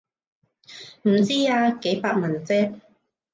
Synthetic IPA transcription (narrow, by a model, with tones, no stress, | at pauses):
m̩˨˩t͡siː˥aː˧ke˨˥jpaː˧k̚mɐ˨˩nt͡sɛː˥k̚